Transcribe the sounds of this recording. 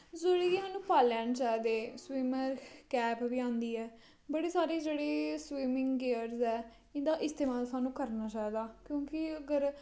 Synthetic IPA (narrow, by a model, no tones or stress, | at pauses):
zoɽiːisaːnũːpaːlaːnt͡ʃaːid̪eːswiːməɾkɛːpʋiːãːnd̪iːɦɛː | bəɽeːsaːɾeːd͡ʒeːɽeːswiːmɪ̃ŋɡɡeəɾzɛː | ɪ̃d̪aːʔɪst̪eːmaːlsaːnũːkəɾnaːt͡ʃaːiːd̪aːkjõːkɪəɡəɾ